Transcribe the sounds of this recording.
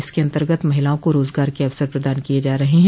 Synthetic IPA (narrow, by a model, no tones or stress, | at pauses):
ɪskeɐ̃nt̪əɾɡət̪mɐɦɪlaõkoɾoːzɡaːɾkeɐʋsəɾpɾɐd̪aːnkijed͡ʒaːɾɐɦeɦɛ̃